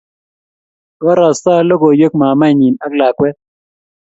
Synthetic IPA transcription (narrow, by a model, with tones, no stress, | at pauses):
ɡɔ˦ɾa˨sa˦lɔ˦ɡɔ˨jo˦k̚ma˨ma˦˨ɲi˨na˦kla˨kwɛ˦t̚